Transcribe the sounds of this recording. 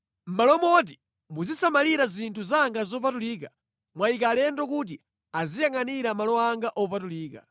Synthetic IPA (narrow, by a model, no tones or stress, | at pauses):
m̩malɔmɔt̬i | muzisamaliɾazintʰuzaŋɡazɔpatuliːka | mwaikalɛndɔkut̬i | azijaŋaniɾamalɔaŋɡaʔɔpatuliːka̰